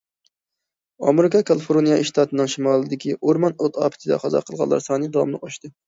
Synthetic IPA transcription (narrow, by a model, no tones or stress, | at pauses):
ɑ̰meɾɪkɑkʰɑlˠɨfoɾonijɑʔiʃt̪ʰɑːt̪ɨnɨŋʃimɑːlˠɨd̪ɪkʲiʔoɾmɑnot̪ʰɑ̰ːpʰɪ̥t̪ʰɪd̪ɛ̰qʰɑzɑ̰qʰəlˠʁɑ̰lˠːɑ̰ɾsɑːnɨd̪ɑwɑ̰mlˠɨ̰qoʃt̪ɨ